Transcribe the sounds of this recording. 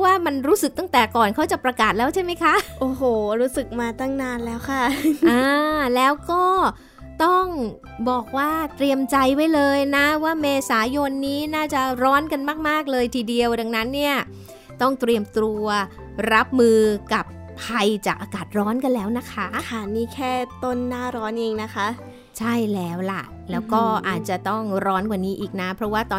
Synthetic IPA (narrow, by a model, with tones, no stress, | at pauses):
waː˥˩ma˧nɾuː˦˥sɯ˨˩k̪̚a˥˩ŋt̪ɛː˨˩kɔː˨˩nkʰa˦˥wt͡ɕa˨˩pɾa˧kaː˨˩t̪̚lɛː˦˥wt͡ɕʰa˥˩jma˦˥jkʰa˦˥ʔʔoː˨˩ɦoː˨˩ɾuː˦˥sɯ˨˩k̚maː˧t̪a˥˩ŋnaː˧nlɛː˦˥wkʰa˥˩ʔaː˧lɛː˦˥wkɔː˥˩ | t̪ɔ˥˩ŋ | bɔː˨˩k̚waː˥˩t̪ɾi˧əmt͡ɕa˧jwa˦˥jlɤː˧jna˦˥waː˥˩meː˧saː˩˦jo˧nːiː˦˥naː˥˩t͡ɕa˨˩ʔɾɔː˦˥nka˧nmaː˥˩k̚maː˥˩k̚lɤː˧jt̪ʰiː˧˩di˧əwda˧ŋna˦˥nːi˥˩ɐ | t̪ɔ˥˩ŋt̪ɾi˧əmt̪ɾu˧ɐ | ɾa˦˥p̚mɯː˧ka˨˩pʰːa˧jt͡ɕaː˨˩k̚ʔaː˧kaː˨˩t̪̚ɾɔː˦˥nka˧nlɛː˦˥wna˦˥kʰa˦˥kʰa˧˩niː˦˥˩kʰɛː˥˩t̪o˥˩nːaː˥˩ɾɔː˦˥nʔeː˧ŋna˦˥kʰa˦˥ | t͡ɕʰa˥˩jlɛː˦˥wla˨˩ʔ | lɛː˦˥wkɔː˥˩ʔaː˨˩t̪̚t͡ɕa˨˩ʔt̪ɔ˥˩ŋɾɔː˦˥nka˨˩niː˦˥ʔiː˨˩k̚na˦˥pʰɾɔ˦˥waː˥˩t̪ɔː˧